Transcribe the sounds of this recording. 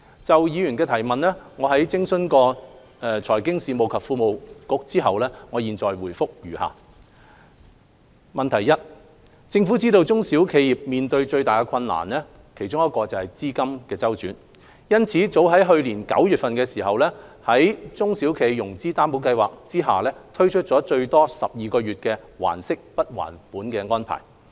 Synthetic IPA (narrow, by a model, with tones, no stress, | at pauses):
t͡sɐ˨wjiː˨˧jyː˨˩nkɛː˧t̪ʰɐ˨˩jmɐ˨nlɛː˥ŋɔː˨˧ɦɐ˨˥jt͡sɪ˥ŋsɵ˥nkɔː˧ | ɛ˨t͡ʃʰɔː˨˩jkɪ˥ŋsiː˨mo˨wkʰɐ˨p̚fuː˧mo˨wkʊ˨˥k̚t͡siː˥ɦɐ˨wlɛː˥ŋɔː˨˧jiː˨nt͡sɔː˨jwuː˨˩jfʊ˥k̚jy̰ː˨˩ha̰ː˨ | mɐ˨nt̪ʰɐ˨˩jɐ˥t̚ | t͡sɪ˧ŋfu˨˥t͡siː˥t̪o˧wt͡sʊ˥ŋsiː˨˥wkʰe˨˧jjiː˨p̚miː˨nt̪ɵ˧ɥt͡ʃɵ˧ɥt̪aː˨jkɛː˧kʰɐ˧nla̰ː˨˩nɛː˥ | kʰe˨˩jt͡ʃʊ˥ŋjɐ˥t̚kːɔː˧t͡sɐ˨whɐ˨jt͡siː˥kɐ˥mkɛː˧t͡sɐ˥wt͡ʃyː˨˥n | jɐ˥nt͡sʰiː˨˥t͡so˨˥wɦɐ˨˥jɦɵ˧ɥliː˨˩nkɐ̰˨˥wjyː˨t̚fɐ˨nkɛː˧siː˨˩ɦɐ˨wlɛː˥hɐ˨˥jt͡sʊ˥ŋsi˨˥wkʰe˨˧jjʊ˨˩ŋt͡siː˥t̪aː˥mpo˨˥wkɐ˧jwa̰ː˨k̚t͡siː˥ɦaː˨lɛː˥t̪ʰɵ˥ɥt͡ʃʰɵ˥t̚t͡sɔː˨˥t͡ʃɵ˧ɥt̪ɔː˥sɐ̰˨p̚jiː˨kɔː˧ɥyː˨t̚kɛː˧wa̰ː˨˩nsɪ˥k̚pɐ˥t̚wa̰ː˨˩npuː˨˥nkɛː˧ŋɔː˥npʰa̰ː˨˩j